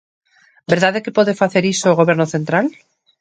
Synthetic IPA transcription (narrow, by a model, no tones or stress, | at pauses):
beɾðaðekepwoðefaθeɾisoɣo̞βe̞ɾnoθe̞nt̪ɾal